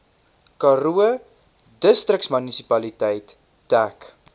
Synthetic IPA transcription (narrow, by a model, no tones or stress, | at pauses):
kɐruə | dəstrəksmənisipɐlitɛjtː | æk